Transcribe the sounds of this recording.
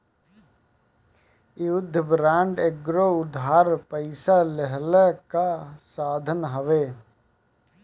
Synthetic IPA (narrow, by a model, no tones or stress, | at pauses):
jʊd̪ʱːəbɾãːɳɖeɡɾoʊd̪ʱɦaːɾpəɪsaləɦlɛkasaːd̪ʱənɦəʋeː